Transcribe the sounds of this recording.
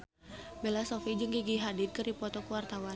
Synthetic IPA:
belasofid͡ʒəŋɡiɡiɦadiɪd̪̚kɨɾipɔt̪ɔkuwart̪awan

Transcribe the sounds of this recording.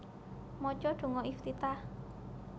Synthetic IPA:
mɔt͡ʃɔɖ̪̥o̤ŋɔʔift̪it̪ah

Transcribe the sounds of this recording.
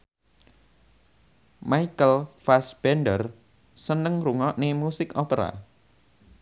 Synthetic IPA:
maikəlfasb̥ɛnɖər | sənəŋɾuŋɔʔnemusɪkɔpəɾa̰

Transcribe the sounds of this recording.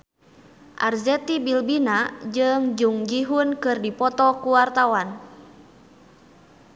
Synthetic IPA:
ʔa̰rzɛt̪ibilbinad͡ʒɨŋd͡ʒuŋd͡ʒiɦunkɨrdipɔt̪ɔkuwart̪awan

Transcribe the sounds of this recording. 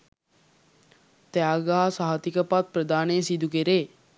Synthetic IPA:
t̪ɛaɡaɦasaɦat̪ikəpat̪̚prəd̪aːnesid̪ukeɾeː

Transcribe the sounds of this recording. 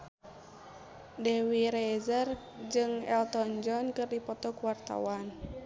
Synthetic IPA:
dɛwiɾɛzər | d͡ʒɨŋɛlt̪ɔnd͡ʒɔnkɨrdipɔt̪ɔkuwart̪a̰wan

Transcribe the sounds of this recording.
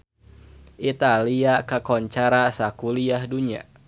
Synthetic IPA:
ʔit̪aliakakɔɲt͡ʃaɾasakuliahduɲa̰

